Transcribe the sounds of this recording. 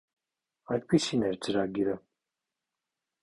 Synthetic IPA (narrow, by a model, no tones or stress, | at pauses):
ɑjd̪̚pisinɛɾt͡səɾɑɡiɾə